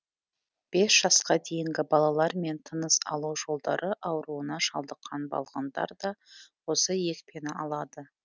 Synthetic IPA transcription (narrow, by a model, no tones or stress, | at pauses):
b̥e̞sʒ̥ɑsqɑd̪e̞jɪŋɡʲɪbɑlˠɑlˠɑɾme̞nt̪ʰənəsɑ̰lˠuwʒo̞lˠd̪ɑ̰ɾʔəʔɑwɾuənɑʃɑ̰lˠd̪əqʰːɑnbɑ̰lˠʁɑ̰nd̪ɑ̰ɾd̪ɑwo̞səje̞kpe̞nɪɑlˠɑd̪ə